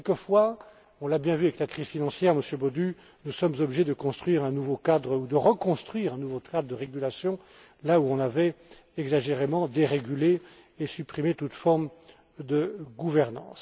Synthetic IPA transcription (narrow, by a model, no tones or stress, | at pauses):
kɛlkəfwa | ɔ̃labjɛ̃vyavɛklakχiz̥finɑ̃sjɛʁməsjøbod̪y | nusɔmzɔbliʒed̪əkɔ̃st̪χɥiʁɛ̃nuvokad̪ʁud̪əʁəkɔ̃st̪χɥiːʁɛ̃nuvokad̪d̪əʁeɡʲylasjɔ̃ | lauɔ̃navɛ | ɛɡzaʒeʁemɑ̃d̪eʁeɡʲyle | esypχimet̪ut̪fɔʁm | d̪əɡuvɛʁnɑ̰̃ːs